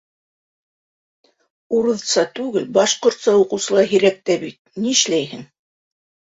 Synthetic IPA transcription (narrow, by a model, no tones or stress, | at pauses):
uɾɤ̆ðsɑt̪ʉɡɘlbɑʃqŏɾt̪sɑuqɤ̆wsɤ̆lˠɑɦiɾæk̚t̪æbit̪̚niɘ̆ʃlæjhɘŋ